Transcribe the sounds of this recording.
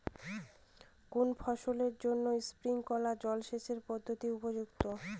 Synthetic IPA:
kunfʰɔʃoleɾd͡ʑonːoispɾiŋkɔlad͡ʑɔlʃeʃeɾpɔd̪ʱːot̪iupod͡ʑukt̪o

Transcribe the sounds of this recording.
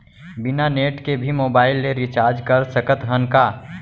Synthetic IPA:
bɪnaneːʈkebʱimoːbaːɪlːeɾit͡ʃaːɾd͡ʒkɐɾsəkət̪ɦənkaː

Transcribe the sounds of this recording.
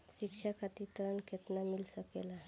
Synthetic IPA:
ʃikʂʰakʰat̪it̪əɾəɳkʰet̪namilsəkḛla

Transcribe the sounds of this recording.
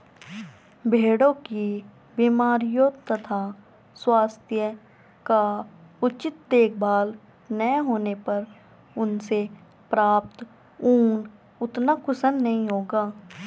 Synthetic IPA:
bʱeːɽõki | biːmaːɾijot̪ɐt̪ʰa | swaːst̪ʰjə | kaʊt͡ʃɪt̪̚d̪eːk̚ʰbaːl | nəɦoːnepɐɾ | ʊnse | pɾaːp̚t̪ | uːn | ʊt̪nakʊsənːɐɦĩɦoːɡaː

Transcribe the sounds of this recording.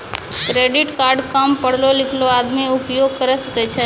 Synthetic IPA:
kɾeɖiʈkaɾɖkampəɽ̤lolɪkʰload̪miupjoɡ̚kəɾəʃəket͡ʃʰe

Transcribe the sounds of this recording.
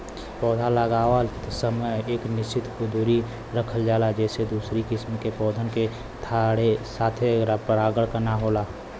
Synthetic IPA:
pɔːd̪ʱaləɡaːwəsəməjeːknɪst͡ʃɪt̪kʊd̪uːɾi | ɾəkʰəld͡ʒaːlad͡ʒɛːsed̪uːsɾikɪsmkepɔːd̪ʱənke | t̪ʰaɽesaːt̪ʰeɾapəɾaːɡəɽkənaɦoːlaː

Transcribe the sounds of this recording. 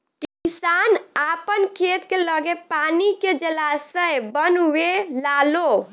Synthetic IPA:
kisanapənkʰet̪keləɡepaniked͡ʒəlasəjbənwelalo

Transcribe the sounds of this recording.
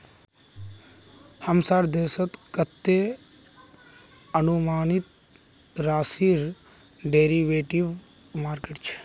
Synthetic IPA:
həmsaːɾd̪eːsət̪kət̪ːe | ənumaːnit̪ | ɾaːsiɾ | ɖeːɾiʋeːʈiʋ | maːɾkeːʈt͡ʃʰe̥

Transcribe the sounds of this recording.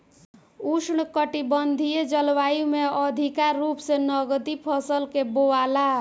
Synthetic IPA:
usɳkəʈibənd̪ʱijed͡ʒəlʋajumeəd̪ʱikaɾːupsenəɡt̪ipʰəsəlkeboala

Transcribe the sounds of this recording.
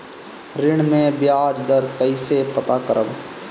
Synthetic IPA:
ɾɪɽ̃mẽbjaːd͡ʒd̪əɾkəisepɐt̪akəɾʔəb

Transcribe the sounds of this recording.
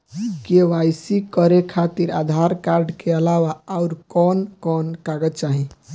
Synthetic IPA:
keʋajsikəɾekʰat̪iɾa̰d̪ʱaɾkaɾɖkeəlawaaʊɾkɔnkɔnkaɡət̪t͡ʃaɦĩ

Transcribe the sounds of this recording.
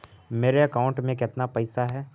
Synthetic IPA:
meːɾeɐkaːʊ̃ɳʈmẽkɪt̪napɐɪsaɦɛː

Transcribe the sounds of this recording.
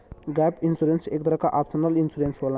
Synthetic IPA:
ɡɛpinsuɾensek̚t̪ɐɾakaʔapsɐnalinsuɾensbola

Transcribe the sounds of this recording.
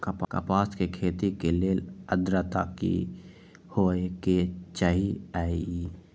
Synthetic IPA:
kəpkə̰paːskekʰeːt̪ikeleːləd̪ɾət̪akḭ | hoːeket͡ʃaɦiaːii

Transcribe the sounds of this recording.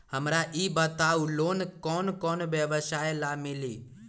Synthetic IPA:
həmɾaʔibət̪auloːnkɔːnkɔːnʋjəʋəsajlamɪlḭː

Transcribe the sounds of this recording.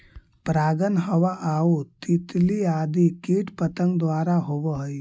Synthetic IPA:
pɾaːɡənɦəʋaʔaːut̪it̪liaːd̪ikiːʈpət̪ə̃ŋɡd̪ʋaːɾaɦoːʋəɦi

